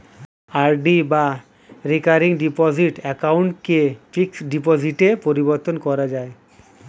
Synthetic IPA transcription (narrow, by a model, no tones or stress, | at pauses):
aɾɖiba | ɾikaɾiŋɖipɔziʈɛkawɳʈkefiksɖipoziʈepoɾiboɾt̪onkɔɾad͡ʑae